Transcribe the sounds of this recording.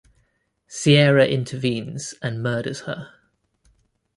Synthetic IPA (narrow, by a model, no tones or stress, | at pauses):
siɛːɹəʔɪ̃ntʰəvĩːnz̥ə̃nmɜːɾəz̥hə